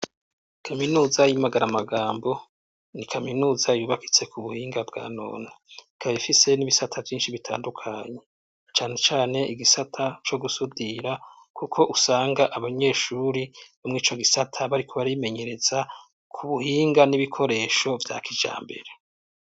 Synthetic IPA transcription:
kʰaminuːzajimaɡaɾamaɡaːmbo̞ | nikʰaminuːzajuːβaki̥t͡se̞kuβuhiːŋɡabɡa̰ːno̰ːna | kʰaββifise̞niβisatʰavjiːnʃiβitʰa̰ːndukʰaɲe̞ | t͡ʃaːne̞t͡ʃaːne̞ʔiɡisatʰat͡ʃo̞ɡusudiɾa | kʰukʰo̞ʔusaːŋɡaʔaβaɲe̞ːʃuɾiβomŋiːt͡ʃo̞ɡisatʰaβaɾikʰo̞βaɾime̞ɲe̞ɾe̞z̥a | kʰuβuhiːŋɡaniβikʰo̞ɾe̞ːʃo̞vja̰ːkid͡ʒa̰ːmbe̞̰ɾe

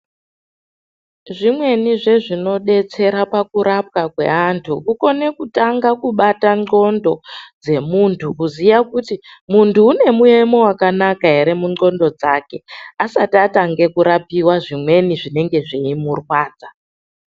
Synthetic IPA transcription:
ʐimwe̞niʐe̞ʐino̞ɗe̞t͡se̞ɾapakuɾap̚kakwe̞̰antʰukuko̞ne̞kutaŋɡakuɓataŋ͡ǃo̞ndo̞d͡ze̞muntʰukuzijakutimuntʰuːne̞muemo̞wakanakaɦe̞ɾe̞muŋ͡ǀo̞ndo̞d͡zake̞asatiataŋɡe̞kuɾapiwaʐimwe̞niʐine̞ŋɡe̞ʐiimurwaːd͡za

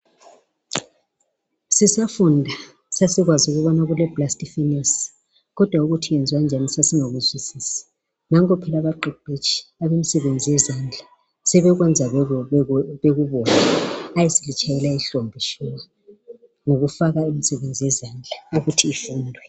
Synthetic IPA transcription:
sisafundʱa | sasiɣwazuɣuβɔnaɣulɛblastifinɛs | ɣɔd̥ʱwauɣutʰijɛnd͡zʱwand͡ʒʱanisasiŋoɣuzwisiːsḁ | naŋɔpʰɛlaβaǃiǃet͡ʃʰi̥aβemisɛβend͡zʱijɛzand͡ɮʱa | sɛβɛɣwɛnd͡zʱa | βeɣuβɔnaajesilit͡ʃʼajɛlaiɬombʱiʃuma | ŋoɣufaɣaimisɛβend͡zʱijɛzand͡ɮʱauɣutʰiːfuːndʱwɛ

